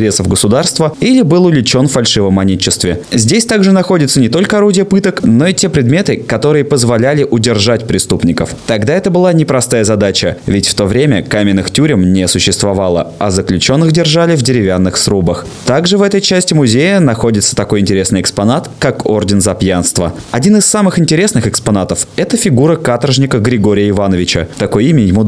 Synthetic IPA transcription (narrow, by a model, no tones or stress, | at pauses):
ɾʲe̞səvɡəsʊd̪arst̪vəilʲɪbɨlˠʊlʲɪt͡ɕo̞nffɐlʲʂɨvəmɐnʲet͡ɕːɪst̪vʲɪzʲdʲesʲt̪aɡʐɨnɐxo̞dʲɪt̪sənʲɪt̪o̞lʲkəɐɾudʲɪjəpɨt̪əkno̞itʲe̞pɾʲɪd̪mʲe̞t̪ɨkɐt̪o̞ɾɨjəpəzvɐlʲælʲɪʔʊdʲɪrʐatʲpɾʲɪst̪upnʲɪkə̰ft̪ɐɡd̪aɛt̪əbɨlˠanʲɪpɾɐst̪ajəzɐd̪at͡ɕəvʲɪtʲft̪o̞vɾʲemʲəkamʲɪnːɨxtʲuɾʲɪmnʲɪɐsʊɕːɪst̪vɐvalˠə̰ɐzəklʲʉt͡ɕo̞nːɨxdʲɪrʐalʲɪvdʲɪɾʲɪvʲanːɨxsɾubəx | t̪aɡʐɨvɛt̪əjt͡ɕæsʲtʲɪmʊzʲejənɐxo̞dʲɪt̪sə̥t̪ɐko̞jɪnʲtʲɪɾʲe̞snɨjɪkspɐnat̪kako̰rdʲɪnzɐpjanst̪və̰ | ɐdʲinɨsːamɨxɪnʲtʲɪɾʲe̞snɨxɨkspɐnat̪əfɛt̪əfʲɪɡuɾəkat̪əɾʐnʲɪkəɡɾʲɪɡo̞ɾʲɪjəɪvanəvʲɪt͡ɕə̰t̪ɐko̞jimʲɪjɪmu